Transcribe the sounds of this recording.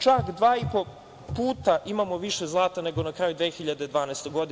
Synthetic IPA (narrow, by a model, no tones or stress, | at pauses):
t͡ʃakd̪ʋaːipo̞ | puːt̪aʔimamo̞ʋiʃe̞zlˠaːt̪ane̞ɡo̞nakɾaːjud̪ʋeːxiʎad̪ed̪ʋaːnest̪oɡo̞d̪i